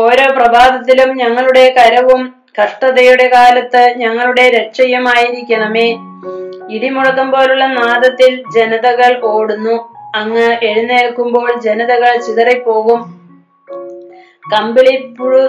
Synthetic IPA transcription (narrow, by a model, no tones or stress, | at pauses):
o̞ːɾo̞ːprɐbaːd̪ɐt̪ːilumɲɐŋːɐɭuɽe̞kɐɾɐʋum | kɐʂʈɐðɐjuɽe̞kaːlɐt̪ːɨɲɐŋːɐɭuɽe̞ɾeʂɐjɐmaːjiɾikʲːuɳɐmeː | iɽimuɻɐkːumbo̞ːluɭːɐnaːd̪ɐt̪ːild͡ʑe̞nɐðɐɣɐɭko̞ːɽunːuɐŋːɨeɻunːeːɭkːumbo̞ːɭd͡ʑe̞nɐðɐɣɐɭt͡ɕiðɐrɐpːo̞ːɣum | kɐmbiɭipːuɻu